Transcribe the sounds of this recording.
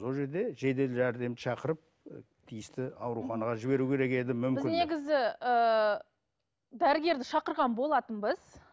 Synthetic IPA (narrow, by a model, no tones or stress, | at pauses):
so̞lˠʒe̞ɾd̪e̞ʒe̞d̪e̞læɾd̪e̞mʃʰɑqəɾəp̚ | t̪ʰijɪst̪ɪɑwɾuχɑnɑʁɑʒɪbe̞ɾukʲʰe̞ɾe̞ke̞d̪ɪmʏmkɪɪne̞ɡʲɪzɪə | d̪æɾɪɡʲe̞ɾd̪ɪʃɑqəɾʁɑnbo̞lˠɑt̪ənbəz̥